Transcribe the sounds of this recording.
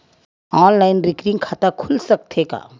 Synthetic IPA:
ɔːnlaːɪnɾɪkɾɪ̃ŋɡkʰaːt̪akʰʊlsɐk̚t̪ʰeka̰ː

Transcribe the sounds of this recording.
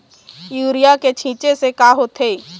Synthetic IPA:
juːɾijaket͡ʃʰĩːt͡ʃesekaːɦot̪ʰeː

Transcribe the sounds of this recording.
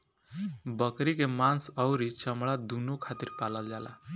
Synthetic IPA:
bʌkɾikemansʌwɾit͡sʌmɭad̪unokʰat̪irpalʌld͡zala̰

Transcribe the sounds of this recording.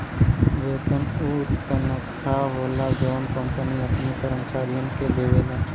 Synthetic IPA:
ʋeːt̪ənuɾt̪ənəkʈʰaɦoːlad͡ʒəːnkə̃mpəniɐpnipəɾəmt͡ʃaːɾijə̃nked̪eːʋeːlẽː

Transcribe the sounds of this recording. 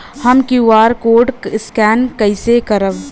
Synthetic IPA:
həmkiuaːɾkoːɖskɛːnkəɪsekəɾəb

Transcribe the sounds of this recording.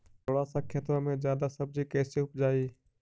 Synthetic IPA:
t̪oːɽaːsãːkʰeːt̪ɾãmẽzjaːd̪asɐb̚d͡ʑiːkɛːseʊpd͡ʒaːiː

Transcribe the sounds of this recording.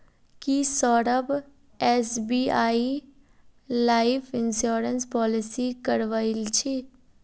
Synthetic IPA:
kisɔːɾəb | ɛːsbiːaːi | laːɪfʰɪnʃoːɾənspɔːlɪsikəɾʋailt͡ʃʰe

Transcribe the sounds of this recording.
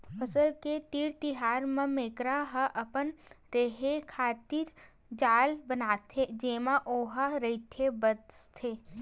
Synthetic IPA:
pʰəsəlkeʈiːɾt̪ɪɦaːɾmə̃meːkɾaɦəʔɐpən | ɾeɦekʰaːt̪iɾ | d͡ʒaːlbənaːt̪ʰːed͡ʒeːmãʔoːɦaɾɐit̪ʰebəst̪ʰeː

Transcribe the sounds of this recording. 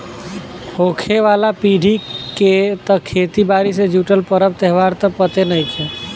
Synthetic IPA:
hokʰeʋalapiɖ̤ʱiket̪əkʰet̪ibaɾis̬ed͡ʒuʈəlpəɾəbt̪ɛɦʋaɾt̪əpət̪enəjkʰe

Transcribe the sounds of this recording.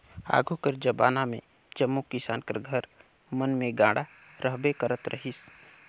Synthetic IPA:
a̰ːɡʱukəɾd͡ʒəbaːnamẽ | d͡ʒəmːukɪsaːnkəɾɡʱəɾ | mənmẽɡãːɽa | ɾʔəɦbekəɾət̪ɾə̰ɦis

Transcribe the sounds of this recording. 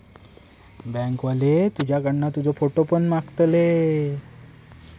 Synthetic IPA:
bɛ̃ŋkʋalet̪ud͡ʑjaɡəɳːat̪ud͡zɔfoʈopəɳmakt̪le

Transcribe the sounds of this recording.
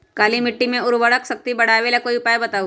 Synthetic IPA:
kaːlimɪʈːimẽʊɾʋəɽəksɐk̚t̪ibɐɽ̤aːʋeːlakoːiʊpaːjbɐt̪aːu

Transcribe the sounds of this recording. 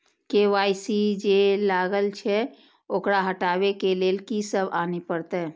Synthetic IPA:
keʋajsid͡ʒelaɡəlt͡ʃʰɛ | okɾaɦəʈabekelelkisəbanipəɾt̪ɛ

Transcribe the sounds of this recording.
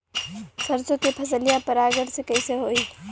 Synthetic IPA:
səɾt͡ʃõkepʰəsəlijapəɾaɡəɽsekəɪseɦoi

